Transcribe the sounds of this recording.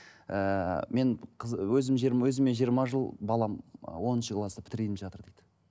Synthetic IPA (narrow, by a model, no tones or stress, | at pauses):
əme̞nqʰzwɵzɪmʒiɾwɵzɪme̞ʒijəɾmɑʒəlˠbɑlˠɑm̰wo̞nənʃəqlˠɑst̪əpʰɪ̥t̪ɪɾlejt̪ɪmʒɑt̪əɾd̪ejd̪̥ɪ